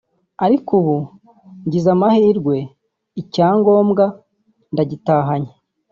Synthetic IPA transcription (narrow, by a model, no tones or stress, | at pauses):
aɾikuβu | ɲɟizamahiːɾɡwe̞ | icaːŋɡo̞ːmɡa | ndaɟitaːɦaɲe